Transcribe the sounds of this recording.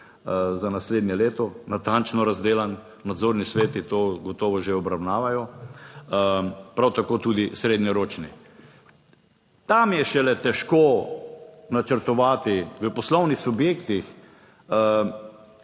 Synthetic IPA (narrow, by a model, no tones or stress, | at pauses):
zanasleːd̪njɛleːt̪ɔnat̪ant͡ʃnɔɾazd̪eːlanː | ad̪zoɾnisʋeːt̪it̪oːɡɔt̪ɔːʋɔʒeɔbɾawnaːʋajɔ | pɾawt̪akoːt̪uːd̪isɾeːd̪njɛɾoːt͡ʃni | t̪amjɛʃɛlɛt̪ɛʃko | nat͡ʃəɾt̪ɔʋaːt̪iʋəpɔslɔwnixsubjeːkt̪ix